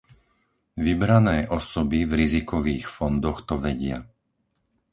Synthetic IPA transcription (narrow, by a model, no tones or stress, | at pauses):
ʋibɾanɛːʔɔsɔbivɾizikɔʋiːxfɔnd̪ɔxt̪ɔʋɛɟɪa̰